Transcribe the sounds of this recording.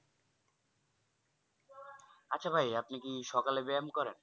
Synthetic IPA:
atːɕʰabʱajapnikiʃɔkalebeamkɔɾen

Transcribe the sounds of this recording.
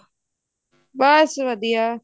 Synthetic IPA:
basʋɐd̪ija

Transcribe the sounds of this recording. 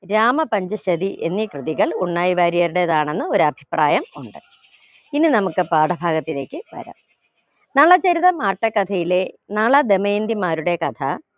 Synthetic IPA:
ɾaːmɐpɐɲd͡ʑɐɕɐd̪iʔe̞nːikrɨðiɣɐɭuɳːaːjiʋaːɾijɐɾuɽe̞ɐðaːɳe̞nːɨo̞ɾuɐbʱi̥praːjɐmuɳɖɨ | ininɐmukːɨpaːɽɐbʱaːɡɐt̪ːile̞ːkʲːɨʋɐ̰ɾɐ̰m | nɐɭɐt͡ɕeɾiðɐmaːʈːɐkːɐt̪ʰɐjile̞nɐɭɐd̪e̞mɐjnd̪imaːɾuɽe̞kɐt̪ʰɐ̰

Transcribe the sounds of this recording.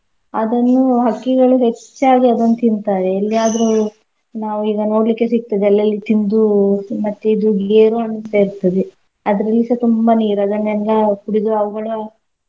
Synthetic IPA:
ɐd̪ɐnːuɦɐkːiɡɐɭuɦe̞t͡ʃːaːɡiɐd̪ɐnːt̪ind̪t̪aːɾeːlːiaːd̪ɐɾu | naːʋuiːɡɐno̞ːɽlikːe̞sik̚t̪ɐd̪eɐlːɐlːit̪ind̪umɐt̪ːeid̪uɡeːɾuɐɳːuseːiɾt̪ːɐd̪e | ɐd̪ɐɾɐlːisɐt̪umbɐniːɾuɐd̪ɐnːɛlːɐkuɽid̪uɐʋɐɡɐɭu

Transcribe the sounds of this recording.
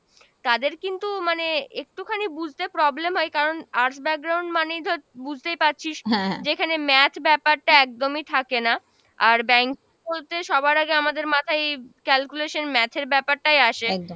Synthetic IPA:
t̪ad̪eɾkint̪umaneek̚ʈukʰanibud͡ʑʱt̪epɾɔblemɦɔekaɾonaɾsbɛk̚ɡɾawɳɖmanejd̪ʱɔbud͡ʑʱt̪ejpatːɕʰiʃɛ̃d͡ʑekʰanemɛt̪ʰbɛpaɾʈaɛk̚d̪omit̪ʰakena | aɾbɛŋkibolt̪eʃɔbaɾaɡeamad̪eɾmat̪ʰaekɛlkuleʃonmɛt̪ʰeɾbɛpaɾʈajaʃed̪o

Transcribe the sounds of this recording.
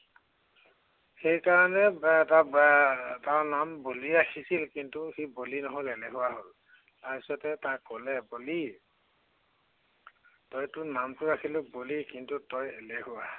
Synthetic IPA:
xejkaɹɔnɛtabtaɹnamboliakʰisilkintuxibolinɔɦoleleɦʊwaɦol | taɹpisɔtɛtakːɔlɛboli | tɔjtʊnamtʊɹakʰilʊk̚bolikintutɔjelehuwa

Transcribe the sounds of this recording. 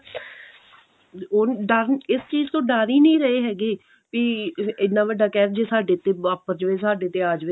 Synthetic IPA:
oɖaːɾɪst͡ʃiːzt̪õːɖaːɾiːnĩːɾəɦeːɦɛːɡiː | piːɪnːãːʋəɖaːkɛːɾd͡ʒeːsaːɖeːt̪eːaːpəɾd͡ʒʋeːsaːɖeːt̪eːaːd͡ʒʋe

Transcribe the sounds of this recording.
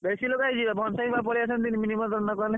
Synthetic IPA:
bɛsilokaizibabʱɔnsabapɔliasɔnd̪iniminimɔt̪ɔnːɔkɔnɛ

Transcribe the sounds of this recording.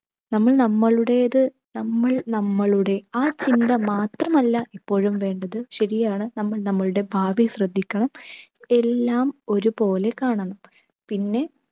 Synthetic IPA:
nɐmːɐɭnɐmːɐɭuɽe̞ɐðɨ | nɐmːɐɭnɐmːɐɭuɽe̞aːt͡ɕind̪ɐmaːt̪rɐmɐlːɐʔipːo̞ːɻumʋe̞ːɳɖɐðɨɕɐɾijaːɳɨnɐmːɐɭnɐmːɐɭuɽe̞bʱaːʋiɕrɐd̪ʱːikʲːɐɳɐme̞lːaːmo̞ɾupo̞ːle̞kaːɳɐɳɐm | pinːe̞

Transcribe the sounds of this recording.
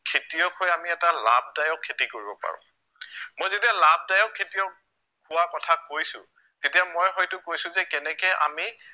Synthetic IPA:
kʰetijɔkʰɔjamiɛtala̰b̚ʱdajɔkʰːetikoɹibɔpa̰ɹʊ̰̃ | mojzetijalab̚dajɔkʰːetiɔk̚ | hʊwakɔtʰakojsʊ̰̃ | tetijamojɦɔjtʊkojsʊ̃zɛkɛnɛkɛʔa̰mi

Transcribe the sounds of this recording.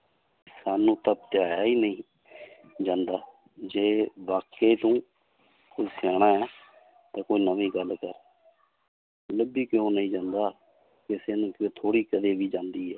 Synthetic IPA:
saːnũːt̪əp̚t̪ɪjaːjaːiːnəĩː | d͡ʒãːnd̪aː | d͡ʒeːʋaːkeːt̪õː | koisɛːɽ̃aːɛː | t̪ãːkoːiːnəʋĩːɡəlkəɾ | ləbiːkɪõːnəĩːd͡ʒãːnd̪aː | kɪseːnũːkːt̪ʰoːɽiːkəd̪eːʋiːd͡ʒãːnd̪iːɦɛː

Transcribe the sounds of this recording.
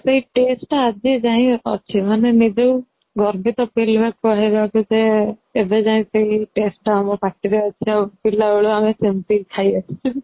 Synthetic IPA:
seɦiʈesʈad͡ʒid͡ʒaĩɔ̰t͡ʃʰibanemid͡ʒew | ɡɔɾbʱit̪ɔpelbakuaɦibakud͡ʒeːbed͡ʒaĩt̪eɦiʈesʈamɔpaʈiɾeɔt͡ʃʰiapilaoɭuamesempit̪ʰajɔt͡ʃʰi̥t͡ʃʰu

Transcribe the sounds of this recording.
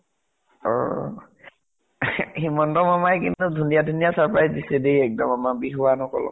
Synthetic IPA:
ɔ̰ | himɔntɔmamajkintudʱunijadʱunijasaɹpɹajzdisɛdejɛk̚dɔmamabiɦuwanɔkɔ̰lɔ̰

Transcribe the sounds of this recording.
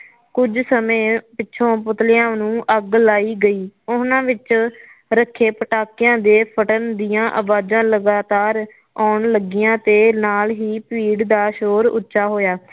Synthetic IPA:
kʊd͡ʒsəmẽːpɪtːʃʰõːp̬ʊt̪lɪjãːnũːʔəɡlaːiːɡəiːʊnãːʋɪt͡ʃ | ɾəkʰːeːpəʈaːkjãːd̪eːpʰəʈənd̪ijãːʔəʋaːd͡ʒãːləɡaːt̪aːɾ | aːɳləɡɪjãːt̪eːnaːlɦiːpiːɽd̪aːʃoːɾʊ̰tːʃaːɦoːjaː

